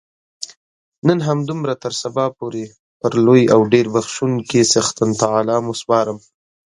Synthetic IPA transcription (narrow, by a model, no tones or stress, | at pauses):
nənɦamd̪ʊmɾat̪əɾsabɑpoɾe | pəɾlojawɖeɾbaxʃunkesaxt̪ant̪alɑːmospɑɾəm